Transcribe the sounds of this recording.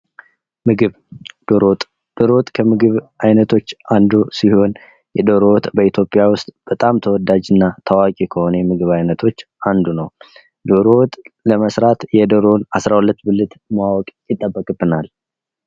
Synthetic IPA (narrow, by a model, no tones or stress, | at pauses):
mɨɡɨβ | d̪̥oɾot̪ʼ | d̪̥oɾowt̪ʼkʰəmɨɡɨβʔajnət̪ʰo̞t͡ʃːand̪usiho̞n | jɛd̪oɾowt̪ʼbəit̪ʰjo̞pʼɪjawʊst̪ʼb̥ət̪ʼamt̪ʰəwɔd̪ad͡ʒɨnːat̪ʰawakʼikʰəho̞nəjɛmɨɡɨβajnət̪ʰo̞t͡ʃː | and̪unəw | d̪oɾowt̪ʼləməsɾat̪jɛd̪əɾo̞nasɾahulət̪ːbɨlɨt̪mawɔkʼjɪt̪ʼːəbːəkʼbɨnal